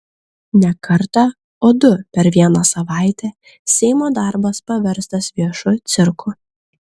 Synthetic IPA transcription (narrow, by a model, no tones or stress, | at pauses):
nʲɛkɐɾt̪ɑ | oːd̪ʊpʲɛɾʋʲiɛnɑsɐʋɑˑɪt̪ʲɛ | sʲɛɪmoːd̪ɑˑɾbɐspɐʋʲɛɾst̪ɐsʋʲiɛʃʊt̪sʲɪɾkʰʊ